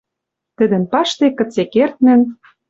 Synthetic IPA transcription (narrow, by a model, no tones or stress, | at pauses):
t̪ə̆d̪ə̆npɑʃt̪ekɤ̆t͡sekert̪̚nɘ̆n